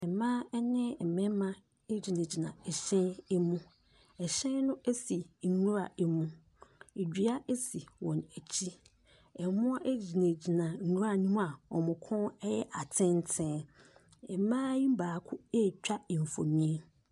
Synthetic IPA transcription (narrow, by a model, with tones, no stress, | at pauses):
ɛ˨mã˦ɛ˦nɪ̃˦˨m̩˨mɛ̃˦mã˦ | e˦d͡ʑi˨nẽ˨d͡ʑi˨nã˨ɛ˨ɕɛ̃˦ne˦mũ˦ | ɛ˨ɕɛ̃˦nʊ̃˦ʔe˦si˨nũ˦ɾa˨e˦mũ˦ | e˨d͡ʑᶣi˨˦a˦ʔe˦si˨wɔ̃˨næ˨t͡ɕʰi˦ | ɛ˨mʊ̃˦a˦ʔe˦d͡ʑi˨nẽ˨d͡ʑi˨nã˨nũ˦ɾa˨nĩ˦m̃˦a˨ɔ̰˨mʊ̃˨kʰɔ̃˦ɛ˦jɛ˦ʔa˨tʰɪ̃˦n˦tʰɛ̃˦ | ɛ˨˦mãː˦jĩ˦m˦baː˨kʰʊ˦e˦˨t͡ɕᶣa˦˨m̩˨fo˨ɲĩ˦